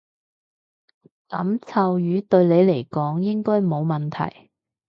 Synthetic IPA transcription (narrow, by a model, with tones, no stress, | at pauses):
kɐ̰˨˥mt͡sʰɐ˨wjyː˨˧˥t̪ɵ˧ɥle˨˧jle˨˩jkɔː˨˥ŋjɪ˥ŋkɔː˥jmo˨˧wmɐ˨nt̪ʰɐ̰˨˩j